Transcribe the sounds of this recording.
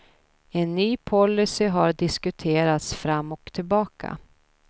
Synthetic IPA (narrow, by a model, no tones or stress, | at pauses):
ɛnːyːpʰɔlːʏsɪɦaɾɖɪskɵt̪ʰeːɾat̪sfɾamːɔkt̪ʰɪlbɑːkʰa̰